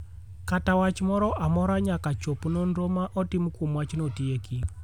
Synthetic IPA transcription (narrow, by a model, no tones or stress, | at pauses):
katawat͡ʃmɔɾɔʔamɔɾaɲakat͡ʃopnonɾomaʔɔtimkwomwat͡ʃnotieki